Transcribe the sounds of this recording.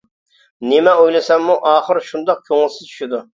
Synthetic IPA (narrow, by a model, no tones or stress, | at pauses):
nɪmɛojlɪsɛmːuʔɑːχəɾʃund̪ɑq̚kʲʰøŋɪlˠsɪzt͡ʃʰy̥ʃid̪u